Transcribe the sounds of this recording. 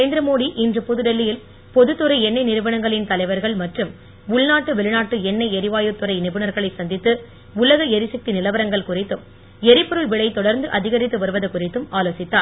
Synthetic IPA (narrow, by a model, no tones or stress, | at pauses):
eːnd̪ɪɾɐmoːɽiʔɪndrɯpʊðɯɽɐlːɪjɪl | pɔðɯt̪ːɯɾɐɪɛnːɐɪnɪɾɯʋɐɳɐŋɡɐɭɪnt̪ɐlɐɪʋɐɾɣɐɭmɐʈrɯm | ʊɭnaːʈːɯʋɛɭɯnaːʈːɯɛnːɐɪɛɾɪʋaːjɯt̪ːɯɾɐɪnɪbɯɳɐɾɣɐɭɐɪsɐnd̪ɪt̪ːɯ | ʊlɐɣɐɛɾɪsɐk̚t̪inɪlɐʋɐɾɐŋɡɐɭkʊrɪt̪ːɯm | ɛɾɪpːɔɾɯɭʋɪɭɐɪt̪ɔɽɐɾnd̪ɯʔɐðɪɣɐɾɪt̪ːɯʋɐɾɯʋɐðɐkʊrɪt̪ːɯmaːloːsɪt̪ːaː